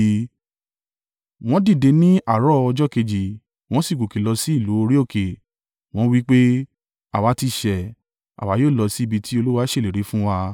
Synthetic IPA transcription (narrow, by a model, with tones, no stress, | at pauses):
w̃ɔ̃˦di˦˨de˨˧nĩ˦ʔa˦˨ɾɔ˦ɔ˧d͡ʒɔ˦ke˧d͡ʒi˨ | w̃ɔ̃˦si˦˨ɡo˨ke˨lɔ˧si˦i˦˨lu˨˦o˧ɾi˦o˦˨ke˨ | w̃ɔ̃˦wi˦k͡pe˦ | a̰˨wa˨˧˦ti˧ʃɛ˨ | a̰˨wa˨˦joː˦˨lɔ˧si˦i˧bi˧tʰi˦o˧lu˦wa˦ʃe˦˨le˨ɾe˨˦fũ˦wa˧